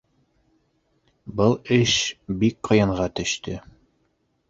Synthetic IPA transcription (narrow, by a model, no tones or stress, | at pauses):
bɤlˠɘʃbik̚qɤ̆jɑɴʁɑt̪ɵ̆ʃt̪ɵ